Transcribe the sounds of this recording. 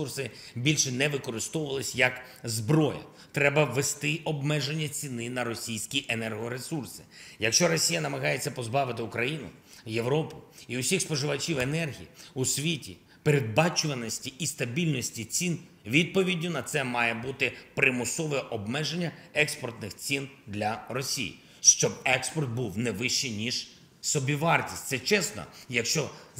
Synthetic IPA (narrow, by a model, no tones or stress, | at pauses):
ursɪ | bʲilʲʃɛnɛʋɪkɔɾɪst̪ɔʋʊʋɐlˠɪsʲjɐk | zbɾɔjɐ̰ | t̪ɾɛbɐʋest̪ɪʔɔbmɛʒenʲːɐt͡sʲinɪnɐɾɔsʲijsʲkʲiʔenɛrɦɔɾesursɪ̥jɐkʃt͡ʃɔɾɔsʲijɐnɐmɐɦɑjet͡sʲːɐpɔzbɑʋɪt̪ɪʊkɾɐjinʊ̰ | je̞ʋɾɔpʊiʊsʲixspɔʒɪʋɐt͡ʃʲiwenɛrɦʲiiusʲʋʲitʲḭ | peɾed̪̚bɑt͡ʃʊʋɐnɔsʲtʲiʔist̪ɐbʲilʲnɔsʲtʲit͡sʲin | ʋʲid̪̚pɔʋʲidʲnːʊnɐt̪sɛmɑjɛbut̪ɪpɾɪmʊsɔʋɛʔɔbmɛʒenʲːɐɛkspɔrt̪nɪxt͡sʲind̪lʲɐrɔsʲḭjḭ | ʃt͡ʃɔbɛkspɔrt̪̚buwnɛʋɪʃt͡ʃɪnʲiʒ | sɔbʲiʋɑrtʲi̥sʲtʲt̪sɛt͡ʃɛsnɔ̰jɐkʃt͡ʃɔ